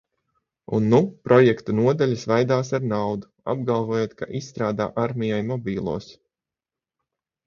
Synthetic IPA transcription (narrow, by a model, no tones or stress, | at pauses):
ṵnːupɾɔjɛkt̪unuɔd̪alʲisvajd̪aːsaɾnawd̪u | a̰b̚ɡalˠvoːjoːt̪kʰaʔisːt̪ɾaːd̪a̰ːʔaɾmʲijajmɔbʲiːlˠṵːs